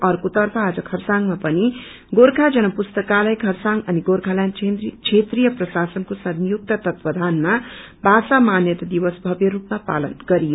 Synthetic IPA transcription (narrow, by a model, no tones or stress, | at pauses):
ʌrkot̪ʌrpʰʌad͡zʌkʰʌrsaŋmapʌni | ɡoɾkʰad͡zʌnʌpust̪ʌkalajkʰʌrsaŋʌniɡorkʰalajnt͡ʃʰet̪rijʌprʌsasʌnkosʌnjuk̚t̪at̪ʌt̪pʌd̪ʱanma | bʱasamanjʌt̪ʌd̪ibʌsbʱʌbjʌɾupmapa̰lʌnɡʌɾijo